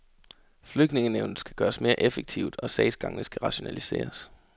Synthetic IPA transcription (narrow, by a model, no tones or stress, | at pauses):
fløɡ̥ne̝ŋəneʊnð̩ˠsɡ̥æɡ̥ɶːɐsme̝ːɐʔefəɡ̥̚t͡sʰiʊd̥ɒ̽sɛ̰ɪsɡ̥ɑ̈ŋnəsɡ̥æʁɑ̈ɕo̝nælise̝̰ːɐs